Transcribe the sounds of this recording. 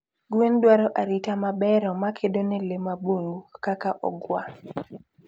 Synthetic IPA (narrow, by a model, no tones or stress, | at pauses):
ɡwendwaɾɔʔaɾitamabɛɾɔmakʰedonelemaboŋɡukakaʔɔ̰ɡwa